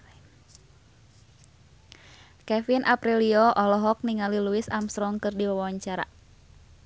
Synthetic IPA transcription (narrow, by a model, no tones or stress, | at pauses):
kɛfinʔapɾiliɔʔɔlɔɦɔk̚niŋaliluɪsamsɾɔŋkɨrdiwawwaɲt͡ʃaɾa̰